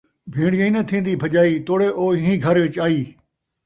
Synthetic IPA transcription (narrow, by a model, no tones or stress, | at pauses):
bʱĩːɽjəĩnɐt̪ʰĩːn̆d̪iːbʱɐʄaːiːt̪ʰoːɽeʔoːɪɦĩɡʱɐɾʋɪt͡ʃaːiː